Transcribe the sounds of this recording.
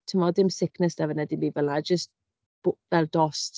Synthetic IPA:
tʰəmɔdɪmsɪkʰnɛsdavənɛdimiːvəlad͡ʒəst | b̥vɛlˠdɔst

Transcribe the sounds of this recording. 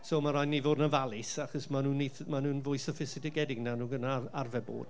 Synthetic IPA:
soːmaɾɔjnivoːdnəvalˠɪsaχɔsmanuːnːiθmanuːnvʊjsəfɪsɪdɪɡɛdɪɡnanuːɡənaarvɛbo̰ːd̥

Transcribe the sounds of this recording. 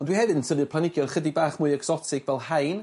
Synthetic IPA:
ɔndwihɛvɨətʰənˠɨpʰlˠanɪɡjɔrχədibaːχmʊɨɛɡz̥ɔtʰɪɡ̥vɛlˠhajn

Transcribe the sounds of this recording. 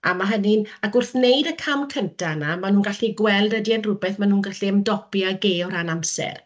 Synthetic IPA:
a̰maɦənɪnaɡʊrθnejdəkʰamkʰəntʰanamanuːnɡaɬiɡwɛlˠdədianrʊbɛθmanuːnɡaɬiəmdɔpjaɡeːɔɾanamsɛ̰r

